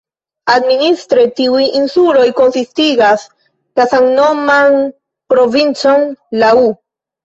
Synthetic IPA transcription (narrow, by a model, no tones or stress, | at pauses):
administɾetiujinsulo̞jko̞nsistiɡas | lasaŋno̞man | pɾo̞vint͡so̞nlau